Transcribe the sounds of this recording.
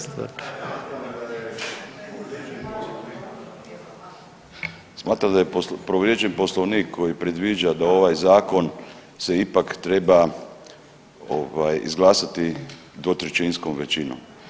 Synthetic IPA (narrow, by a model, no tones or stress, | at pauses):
smaːt̪ɾamd̪ajepɾoʋɾjet͡ʃenpo̞slˠoʋniːkʰːo̞jipɾed̪ʋid͡ʒad̪ao̞ʋajzaːko̞n | se̞ipakt̪ɾeba | o̰ʋajḭzɡlˠaːsat̪i | d̪ʋo̞t̪ɾet͡ʃinskomʋe̞t͡ʃino̰m